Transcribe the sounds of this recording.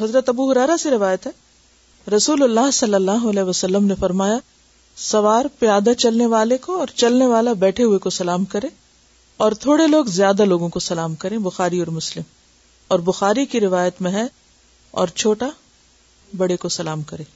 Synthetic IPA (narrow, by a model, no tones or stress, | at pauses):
ɦɐzɾət̪ɐbuɦʊɾɛːɾaseɾɪʋaːjət̪ɦɛ | ɾɐsuːlʊlːaːɦsɐlːəlːaːɦoɐlɛːʋɐsɐlːəmnefɐɾmaːja | sɐʋaːɾpijaːd̪at͡ʃɐlneʋaːlekoɔːɾt͡ʃɐlneʋaːlabɛːʈʰeɦʊekosɐlaːmkɐɾẽː | ɔːɾt̪ʰoːɽeloːɡzjaːd̪aloːɡõkosɐlaːmkɐɾẽbʊxaːɾiɔːɾmʊslɪm | ɔːɾbʊxaːɾikiɾɪʋaːjət̪mẽɦɛ | ɔ̰ːɾt͡ʃʰoːʈa | bɐɽekosɐlaːmkɐɾẽː